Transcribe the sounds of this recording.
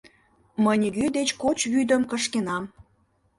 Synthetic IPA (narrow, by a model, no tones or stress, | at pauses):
məjnʲəɡyd̪et͡ɕkot͡ɕβyd̪əmkəʃkenɑm